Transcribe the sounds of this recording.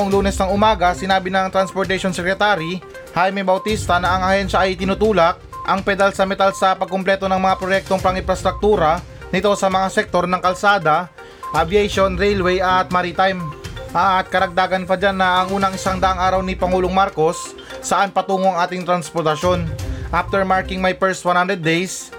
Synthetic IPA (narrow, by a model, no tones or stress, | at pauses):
ʔoŋluːnɛsnɐŋʊmaːɡɐsɪnaːbɪnɐŋt̪ɾɐnspoɾt̪ɐʃonsɛkɾɛt̪aɾi | hajmɛbɐwt̪ist̪ɐnɐːŋɐhɛnʃɐʔɐjʔɪt̪ɪnut̪uːlɐk̚ʔɐŋpɛd̪alsɐmɛt̪alsɐpɐɡ̚kːomplɛt̪o̞nɐŋmɐŋapɾojɛk̚t̪o̞ŋpɐŋɪ̃mpɾɐst̪ɾɐk̚t̪uːɾɐ | nɪt̪o̞sɐmɐŋasɛk̚t̪o̞ɾnɐŋkɐlsaːd̪ɐ | ʔɐbiejʃonɾɛjlwɛjʔɐt̪̚maɾit̪ajmʔat̪̚kɐɾɐɡ̚d̪aːɡɐnpɐd͡ʒanːɐʔːŋʔuːnɐŋɪsaŋd̪ɐʔaŋʔaːɾɐwnipɐŋuːloŋmaɾko̞sː | ɐʔanpɐt̪uːŋoɐŋʔaːt̪ɪŋt̪ɾɐnspoɾt̪ɐʃo̞nʔaft̪ɛɹmaɹkɪŋmajpɛɹst̪wɐnhand̪ɾɛd̪ːejs